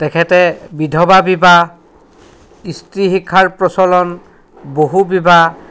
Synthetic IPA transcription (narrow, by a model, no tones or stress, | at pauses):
tɛkʰɛtɛbidʱɔbabiba | istɹiɦikʰːaɹpɹɔsɔlɔn | boɦubiba